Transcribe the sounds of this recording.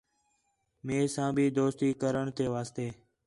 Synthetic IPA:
meːsãːbʱiːd̪oːst̪iːkəɾəɳt̪eːʋaːst̪eː

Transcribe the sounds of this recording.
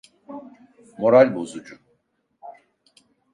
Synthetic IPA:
mo̞ɾalʲbozud͡ʒu

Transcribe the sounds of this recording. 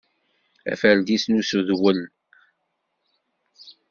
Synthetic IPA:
æ̰fæld̪isnusuðwəl

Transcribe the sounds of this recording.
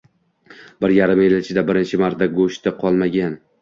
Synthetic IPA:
bɪɾjaɾɪmelɪt͡ʃʰɪd̪abɪɾɪnt͡ʃʰɪmaɾt̪ʰaɡoʃt̪ɪqʰɒlˠmaɡʲan

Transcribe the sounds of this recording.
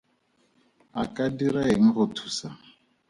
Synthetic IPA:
akʼadiɾaɦeŋ̩ɣʊtʰu̥ːsa

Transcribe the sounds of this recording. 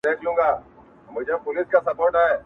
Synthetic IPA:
eːkʰlũːŋɡaː | mʊd͡ʒʱepʊlɪskasɐpoːɾʈaɛː

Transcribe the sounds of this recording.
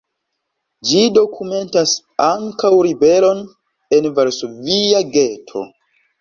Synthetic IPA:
d͡ʒido̞kʰume̞ntas | aŋkawɾibe̞lo̞n | e̞nvaɾsoviaɡe̞tʰo̞̰

